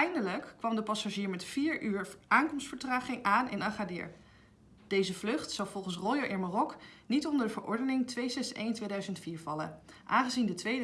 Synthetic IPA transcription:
ɛjndələkːʋɑmdəpɑsaʒiːɹmɛtfiːɹyːɹʔaːŋkɔmstfəɹtraːχɪŋaːnɪ̰nɑχadɪ̰ːɹ | d̥ejzəvlɵχtsɑwvɔlˠχənsrɔjoʔɪnmarɔknitɔndəɹdəvəɹʔɔ̰ɹdənɪŋtʋejsɛsejntʋejdœɥzəntfiːɹvɑlə̰ʔaːnχəzindətʋej

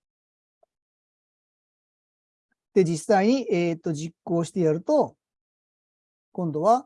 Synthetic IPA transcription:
d̪̥e̞d͡ʑisːaiɲ̟iʔeːt̪ːo̞ʑikːo̞ːɕi̥t̪e̞jaɾɯ̟t̪o̞ | kõ̞nd̪o̞βa

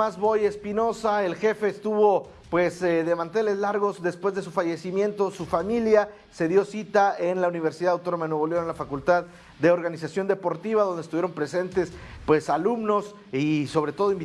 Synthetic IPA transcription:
azβo̞je̞spino̞saelxe̞fe̞ːst̪uβo̞ | pwe̞sðe̞mãnt̪e̞le̞zlaɾɣo̞zd̪e̞spwe̞zðe̞sufaʝe̞simje̞nt̪o̞sufamilja | se̞ðjo̞sit̪ae̞nlauniβ̞e̞ɾsiðaðawt̪o̞nomaenoβoleoenlafakult̪að | d̪e̞o̞ɾɣanisasjo̞nd̪e̞po̞ɾt̪iβaðo̞nd̪est̪uβjɾo̞mpɾe̞se̞nt̪e̞spwe̞salumno̞s | iso̞βɾe̞t̪o̞ð̞oimb

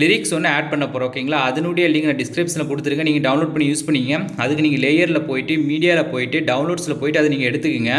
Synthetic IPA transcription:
lɪɾɪksɔnːɐeːʈ̚pɐɳːɐpːoːɾɐʋɐkːɐiŋɡɐɭaːɐðɐnuːɽijɐlːiːŋɡɐnːɖɪskɾɐɪpʈsɪlɐkʊɽɯt̪ːɯɾɯŋɡɐniːŋɡɐɖɐʊnloːɖpɐɳːijuːspɐɳːɪŋɡɐɐðɯkːɯniːŋɡɐleːjɐɾɪlɐpoːjɪʈːɯmiːɽɪjaːlɐpoːjɪʈːɯɖɐʊnloːɖsɪlɐpoːjɪʈːɯɐðɯniːŋɡɐɛɽɯt̪ːɯkːɯŋɡɐ

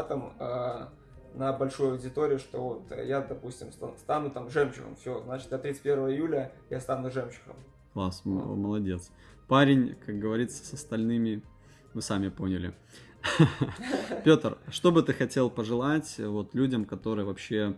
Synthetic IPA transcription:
at̪əmə | nəbɐlʲʂojɐwdʲɪt̪o̞ɾʲɪʊʂt̪o̞vo̞t̪jad̪ɐpusʲtʲɪmst̪ast̪anʊt̪amʐɛmɕɪ̰xə̰mfsʲoznat͡ɕɪ̥t̪jat̪ɾʲit̪sɨ̥t̚ʲpʲeɾvəvəɪjulʲəjast̪anʊʐɛmɕɪ̥xə̰m | klˠasməlˠɐdʲe̞t̪s | paɾʲɪnʲkak̚ɡəvɐɾʲit̪sə̥sɐst̪ɐlʲnɨmʲɪ | vɨsamʲɪpo̞nʲɪlʲɪ̰ | pʲot̪rʂt̪o̞bɨt̪ɨxɐtʲe̞lˠpəʐɨlˠatʲvo̞t̪lʲudʲəmkɐt̪o̞ɾɨjəvɐpɕːe

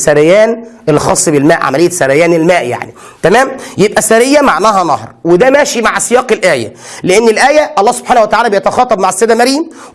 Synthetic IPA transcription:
sæɾæjæːnelːixɑːsˤːbelmæːʔʕa̰mælejːæsæɾæjæːnelmæːʔja̰ʕni | t̪æmæːmjebʔæsæɾejːæmaʕnæːhænɑ̰hɾˤwed̪æmæːʃimaʕsejɑːqelʔæːjæ̰leʔenːelʔæːjæʔɑlˤːɑːhso̥b̥ħaːnæwæt̪aʕaːlæːbejet̪ɑxɑːt̪ˤɑbmaʕesːed̪æmæɾjæm

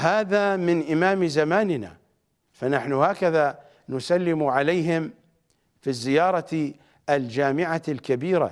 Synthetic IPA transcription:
haːðamɪnʔɪmaːmzamaːnɪna̰ | fanaħnʊhaːkaða | nʊsalːɪmʕalajɦɪm | fizːɪjɑːɾˤɑ | ʔald͡ʒaːmɪʕalkabiːɾa̰

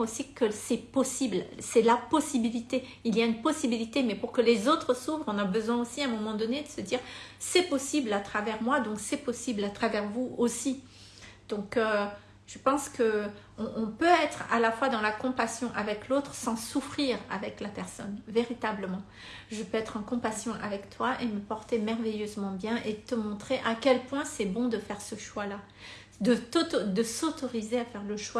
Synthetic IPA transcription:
osikəsɛpɔsiblsɛlapɔsibilit̪e | ilijaynpɔsibilit̪emɛpuʁkəlezot̪χsufʁɔ̃nabəzwɛ̃osiɛ̃mɔmɑ̃d̪ɔned̪əsəd̪iːʁsɛpɔsiblat̪χavɛʁmwad̪ɔ̃ksɛpɔsiblat̪χavɛʁvuosi | d̪̥ɔ̃kø | ʒəpɑ̃skə | ɔ̃ʔɔ̃pøɛt̪χa̰lafwad̪ɑ̃lakɔ̃pasjɔ̃ʔavɛklot̪χsɑ̃sufχiʁa̰vɛklapɛʁsɔnveʁit̪abləmɑ̃ | ʒəpøɛt̪χɑ̃kɔ̃pasjɔ̃ʔavɛkt̪waʔeməpɔʁt̪emɛʁvejøzmɑ̃bjɛ̃ʔet̪əmɔ̃t̪χeʔakʲɛlpwɛ̃sɛbɔ̃d̪əfɛʁsəʃwala | d̪ət̪od̪əsot̪ɔʁizeafɛʁləʃwa

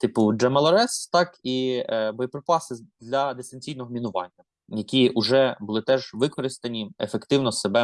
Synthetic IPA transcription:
t̪ɪpʊd͡ʒɐmɐlˠɐɾɛst̪ɑkibɔjɔpɾɔpɑsɪd̪lʲɐd̪est̪ɐnʲt͡sʲijnɔɦɔmʲinʊʋɑ̰nʲːɐ | jɐkʲiʊʒɛbʊlˠɪt̪ɛʒʋɪkɔɾɪst̪ɐnʲiefekt̪ɪwnɔsebɛ

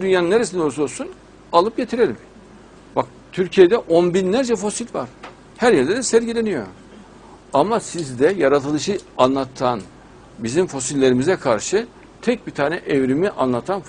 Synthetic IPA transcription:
d̪ynjanɯnːeɾesind̪ɛlˠsuolˠsun | alˠɯp̚ɟe̞t̪ʰiɾe̞lʲim | bak̚ | t̪ʰyɾcʰijed̪ɛʔonbinlʲæɾd͡ʒɛfo̞silʲva̰ɾ̥ | hæɾjɛɾd̪ɛd̪ɛsæɾɟilʲenijo̞̰ | amasizd̪ɛjaɾat̪ʰɯlˠɯʃɯanlˠat̪ʰan | bizimfo̞silʲːe̞ɾimizɛkʰaɾʃɯ | t̪ʰɛc̚bit̪ʰaːnɛʔevɾimiʔanlˠat̪ʰan

